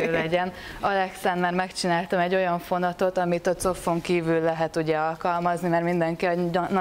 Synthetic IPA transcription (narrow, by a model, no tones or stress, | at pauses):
lɛɟɛnɒlɛksɛnmaːrmɛkt͡ʃinaːlt̪ɒmɛɟːo̞jɒɱfo̞nɒt̪o̞t̪ɒmit̪ɒt̪so̞fːo̞ŋkiːvylːɛɦɛt̪uɟɛɒlkɒlmɒznimɛrmind̪ɛŋkiɒnɒ